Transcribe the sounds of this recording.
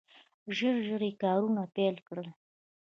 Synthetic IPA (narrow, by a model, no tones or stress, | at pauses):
ʒəɾʒəɾekɑɾunapelkɽəl